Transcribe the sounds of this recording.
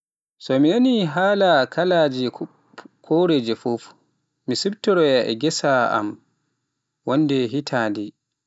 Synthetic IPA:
sɔminaniɦaːlakʰalaːd͡ʒɛ | kʰoɾed͡ʒɛfof | misibtɔɾɔjaʔɛ̰ɡɛsaa̰m | wɔnːdɛɦitʰaːndɛ

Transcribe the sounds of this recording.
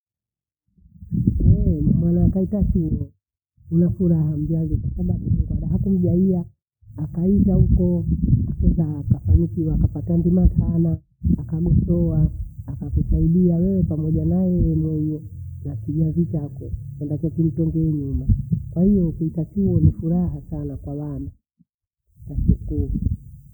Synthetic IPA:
ɛnamwanaːkaitat͡ʃuɔ | unafuɾaham̩d͡ʒazɔkwasaɓaɓukuŋɡaɗaɦakum̩ʄaiaː | kaitahukɔakɛzakafaɲikiwakapatandimatʰanaː | kaɓɛsɔaːkakusaiɗiawɛɔpamɔʄanajɛjɛmwɛjɔnakiʄavit͡ʃakɔkɛndat͡ʃat͡ʃilitɛŋɡɛɲumakwahijɔukuitat͡ʃuɔnifuɾaɦasanakwawana | tasuku

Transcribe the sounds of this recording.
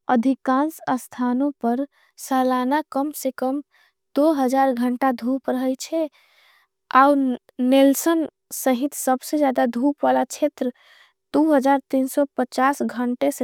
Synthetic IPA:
əd̪ʱikãnsəst̪ʰanõpəɾ | salanakəmsekəm | d̪̥oɦəd͡ʒaɾɡʱəɳʈad̪ʱupɾəɦəjt͡ʃʰɛ | au | nelsən | səɦit̪səbsed͡ʒjad̪ad̪ʱupʋalat͡ʃʰet̪ɾə | d̪̥uɦəd͡ʒaɾt̪insɔpət͡ʃasɡʱəɳʈese

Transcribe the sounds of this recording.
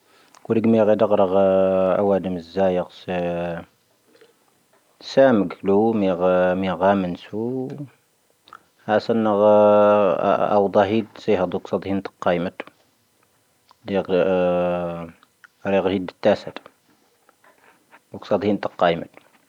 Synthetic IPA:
kuɾəɡmiɣid̪əɣɾəɣæ̰wæd̪əməzːæjəqs | sæməɡlumiɣmiɣæmənsu | hæsənːəɣ̰ | ɑ̰wd̪ˤɑɦid̪sijhəd̪ˤuksɑd̪ˤhint̪ə̥qːɑjmət̪ | di | ɾiɣhid̪ət̪ːæsət̪ | wəksɑd̪ˤhint̪əqːɑjmət̪

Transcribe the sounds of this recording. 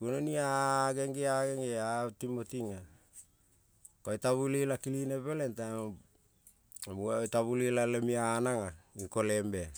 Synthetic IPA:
kunoniaɡe̞ŋɡeaɡeŋɡeatimotiŋa | koajtaβulilakilineβelentam | amuataβulilalemianaŋaiko̞le̞mbea

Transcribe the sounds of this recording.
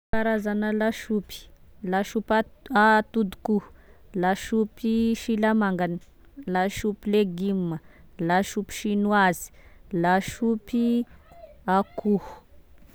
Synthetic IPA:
aɾazanəlaʃupi̥laʃupaat̪ud̪u̥ku | laʃupiʃilamaŋɡani̥ | laʃupileɡimːəlaʃupi̥ʃinuazi̥laʃupi | akuhu̥

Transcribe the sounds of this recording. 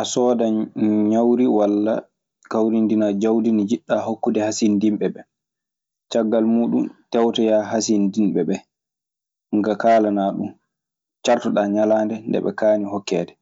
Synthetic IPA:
ʔasɔːdaɲawɾiwalːa̰ | kawɾindinad͡ʒawdinid͡ʒiɗːahokːudɛhasindimɓɛbɛ | t͡ʃaɡːalmuːɗumtɛwtɔjaɦasindinɓɛɓɛ | ŋɡakaːlanaːɗṵm | t͡ʃaɾtɔɗaɲalaːndɛndɛ̰ɓɛ̰kaːnihɔkːɛːdɛ

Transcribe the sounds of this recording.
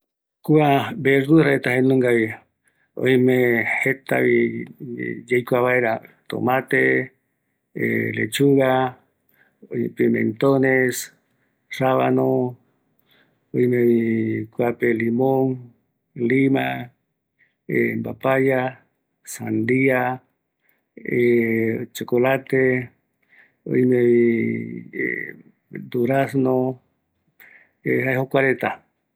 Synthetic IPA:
kuabeɾd̪uɾaet̪aɦenũŋɡaβi | o̰jmẽhet̪a̰βi | d͡ʒejkʷaβaeɾat̪o̰mãt̪e | ḛlḛt͡ʃuɣa | oipimḛ̃nt̪ones | r̥aβa̰nõ | ojmẽβikwapelimoŋ | lima | embapaja | sand̪ia | et͡ʃokolat̪e | o̰imeβḭ | d̪uɾasno | ehajɦokʷaɾet̪a

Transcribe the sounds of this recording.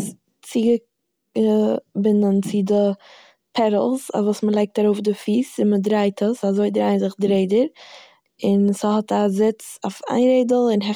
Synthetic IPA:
s | t͡siɡə | əbɪndənt͡sɪdɪ | pʰɛɾl̩ˠsa̰vuːsməlˠeɪk̚taɾoʊfdɪfiːsɪnmədɾaɪtʰəsazoɪdɪɾaɪnzɪχdɾeɪdəɾ | ɪnshɔtazɪt͡sofa̰ɪnɾeɪdəl̩ˠɪnɦɛ

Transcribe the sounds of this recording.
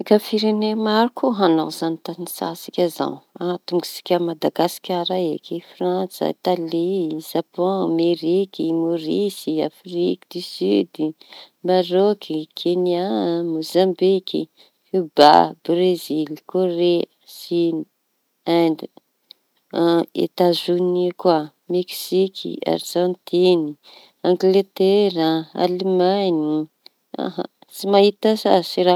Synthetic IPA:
ikafiɾenemaɾukʰuɦanazanit̪anisa̰sikʲaza̰nat̪uŋɡi̥si̥kʲəmad̪aɡasi̥kʲaɾaḛkifrant͡sə̰it̪aliz̥apɔ̃ameɾikimoɾisia̰frikid̪isyd̪ | maɾokikʰeniamozambikʲḭ | huba̰brezilkoɾeəsini | and̪i | ḛt̪azunikwa | meksikʰḭa̰rʒ̥ãnt̪ini | ãŋɡlet̪eɾaa̰lemani | a̰ɦa̰ | t͡simaɦit̪asasiɾa

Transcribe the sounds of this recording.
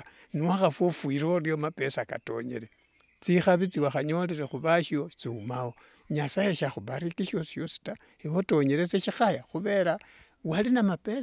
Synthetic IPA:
niwaxafwofwiɾoljomape̞saka̰to̞̰ɲe̞̰ɾe | t͡sixaβit͡siwaxaɲo̞leɾexuβaʃiot͡siumawo̞ | ɲasajeʃaxuβaɾikiʃo̞si̥ʃosi̥ta | iwoto̞ɲe̞ɾet͡seʃixajaxuβe̞ɾa | walinamape

